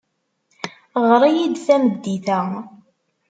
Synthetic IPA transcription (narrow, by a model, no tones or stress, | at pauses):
ʁɾˤijid̪θæməd̪ːiθæ